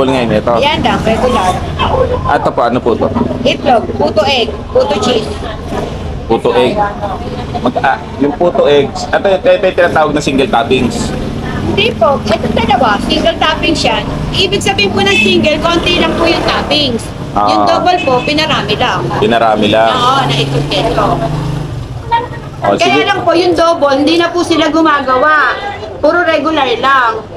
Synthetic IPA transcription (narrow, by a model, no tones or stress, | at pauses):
olŋɐjonɛt̪ojanlaŋɛɡʊla | ʔɐ̰t̪opoʔɐnopuːt̪o̰ʔɛt̪lopuːt̪oʔɛɡ̚puːt̪ot͡ʃis | puːt̪oʔɛɡ̚ | mɐɡʔa | jʊŋpuːt̪oʔɛɡ̚sʔɛt̪ot̪ɛɛt̪ojt̪ɪnaːt̪aːwɐɡ̚nɐsiŋɡɛlt̪aːpɪŋs | hɪnd̪ipo̞ʔɛt̪oŋd̪ɐlɐwasiŋɡɛlt̪aːpɪŋsjanʔiːbɪɡ̚sɐbiːhɪnpʊnɐŋsiŋɡɛlkont̪ɛlɐŋpʊjʊŋt̪aːpɪŋs | ʔo̰jʊd̪oːbolpo̞ʔpɪnɐɾaːmɪlaŋpɪnɐɾa̰ːmɪlaoʔonɐʔɪk̪ʊt̪ɛnko | ʔo̰kɐjaːlɐŋpo̞ʔjʊŋd̪oːbolhɪnd̪iːnɐpʊsɪlaɡʊmaːɡɐwaʔ | puːɾoɾɛɡʊlaɹlaŋ